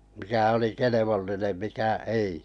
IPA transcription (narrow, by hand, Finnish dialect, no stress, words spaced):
mikæ oli keleʋolːinem mikæ ei